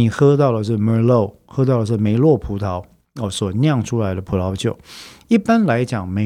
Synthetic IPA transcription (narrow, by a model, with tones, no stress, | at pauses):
i˨˩xɤ˥t̪̬ɑ˥˩ʊlə˩ʂɻ̩˥˩mə˞˨˧˥lo˥˩ʊ | xɤ˥t̪̬ɑ˥˩ʊlə˩ʂ̬̩˥˩me˧˥ɪlwɔ˥˩pʰu˧˥t̪ʰɑ˨˧˥ʊ | ɔ˨˩swɔ˨˩njɑ˥˩ŋʈ͡ʂʰu˥la˧˥ɪd̪ə˧pʰu˨˥lʰɑ˧˥ʊt͡ɕjo˨˩ʊi˥˩pa˦nla˧˥ɪt͡ɕjɑ˨˩ŋme˧˥